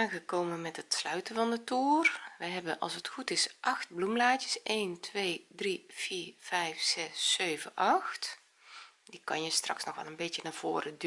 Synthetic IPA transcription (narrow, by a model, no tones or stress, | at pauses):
aːɣəkoːmənmɛtətslœɥtəvɑndətuːərʋəjɦɛbənʔɑ̰lˠsətxutɪsʔɑxt̚blumlaːtjəsʔeːntʰʋeːdrifiːv̥ɛjfsɛsːøːvənʔɑxt | dikɑnjəstrɑ̰ksnɔxʋɛ̰lˠənbɪtjənav̥oːrəd